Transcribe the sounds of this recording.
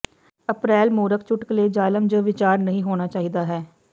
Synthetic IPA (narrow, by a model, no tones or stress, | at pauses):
əpɾɛːlmoːɾək̚t͡ʃʊʈkleːd͡ʒaːləmd͡ʒoːʋɪt͡ʃaːɾnəɦĩːɦoːnaːt͡ʃaːɦid̪aːɦɛː